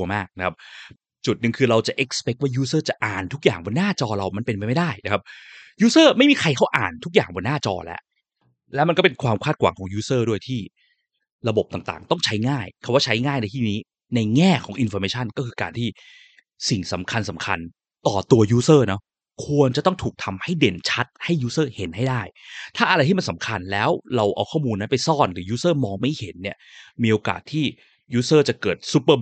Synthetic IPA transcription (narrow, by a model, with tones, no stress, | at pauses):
maː˥˩k̚na˦˥kʰa˦˥p̚ | t͡ɕu˨˩t̪̚nɯ˨˩ŋkʰɯː˧ɾa˧wt͡ɕa˨˩ʔe˨˦˥k̚spe˦˥k̚waː˥˩juː˦˥sɤː˥˩t͡ɕa˨˩ʔaː˨˩nt̪ʰu˦˥k̚jaː˨˩ŋbo˧nːaː˥˩t͡ɕɔː˧ɾa˧wma˧npe˧npa˧jma˥˩jda˥˩jna˦˥kʰa˦˥p̚juː˦˥sɤː˥˩ma˥˩jmiː˧kʰa˧jkʰa˥˩wʔaː˨˩nt̪ʰu˥k̚ja̰ː˨˩ŋbɔo˧nːaː˥˩t͡ɕɔ̰ː˧lɛ̰˦˥ʔ | lɛ˦˥wma˧nkɔ˥˩pe˧nkʰwaː˧mkʰaː˥˩t̪kʰwa̰ː˨˦kʰɔː˩˦ŋjuː˦˥sɤː˥˩du˥˩əjt̪ʰiː˥˩ | ɾa˧bo˨˩p̚t̪aː˨˩ŋt̪a̰ː˨˩ŋt̪ɔ˥˩ŋt͡ɕʰa˦˥jŋaː˥˩jkʰa˧˩waː˥˩t͡ɕʰa˦˥jŋaː˥˩jna˧jt̪ʰiː˥˩niː˦˥ | na˧jŋɛː˥˩kʰɔː˩˦ŋʔi˧nfɔ˧meː˧˥t͡ɕʰa˥˩nkɔː˥˩kʰɯː˧kaː˧nt̪ʰiː˥˩ | si˨˩ŋsa˩˦mkʰa˧nsa˩˦mkʰa˧n | t̪ɔː˨˩t̪u˧ɐjuː˦˥sɤː˥˩nɔ˦˥ | kʰu˧ənt͡ɕa˨˩t̪ɔ˥˩ŋt̪ʰuː˨˩k̚t̪ʰa˧mha˥˩jde˨˩nt͡ɕʰa˦˥t̪̚ha˥˩jːuː˦˥sɤː˥˩he˩˦nha˥˩jdaː˥˩jt̪ʰaː˥˩ʔa˧ɾa˧jt̪ʰiː˥ma˧nsa˩˦mkʰa˧nlɛː˦˥wɾa˧wʔa̰˧wkʰɔː˥˩muː˧nːa˦˥npa˧jsɔː˥˩nɾɯː˩˦juː˦˥sɤː˥˩mɔː˧ŋma˥˩jhe˩˦nːi˥˩ɐmiː˧ʔoː˧ka̰ː˨˩t̪ʰːiː˥˩ | juː˦˥sɤː˥˩t͡ɕa˨˩kɤː˨˩t̪̚su˦˥pːɤː˧˩